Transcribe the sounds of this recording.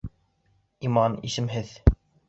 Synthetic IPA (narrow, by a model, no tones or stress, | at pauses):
imɑnḭʃɘmɦɘð